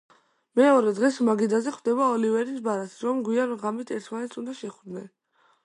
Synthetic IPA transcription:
mɛɔɾɛd̪ʁɛsmaɡid̪azɛχwd̪ɛbaɔlivɛɾisbaɾasɾɔmɡwianʁamit̪ʰɛɾt̪ʰmanɛt̪sʰund̪aʃɛχɾd̪nɛn

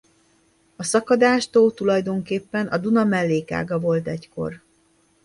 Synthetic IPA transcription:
ɒsɒkɒd̪aːʃt̪oːlt̪ulɒjd̪o̞ŋkeːpːɛnʔɒd̪unɒmɛlːeːka̰ːɡɒvo̞lt̪ɛcko̞̰r

